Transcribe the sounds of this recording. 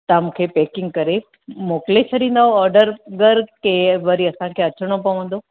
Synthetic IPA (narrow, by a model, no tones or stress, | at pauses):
t̪aːmkʰeːpeːkɪ̃ŋɡkɐɾe | moːklet͡ɕʰɐɗĩːn̆d̪aɦoɔːɾɖəɾɡəɾkeʋɐɾiɐsãkʰeːɐt͡ɕəɽ̃opɐʋə̃n̆d̪o